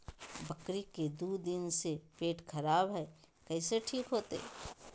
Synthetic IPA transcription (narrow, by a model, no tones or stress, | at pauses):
bɐkɾiked̪uːd̪ɪnsepeːʈkʰɐɾaːbɦɛ | kɛːseʈʰiːkɦoːt̪ḛ